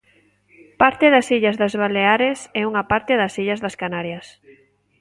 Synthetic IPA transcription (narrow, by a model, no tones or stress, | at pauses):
paɾt̪eðasiʎazðazβaleaɾesɛuŋapaɾt̪eðasiʎɐzðɐskanaɾjɐs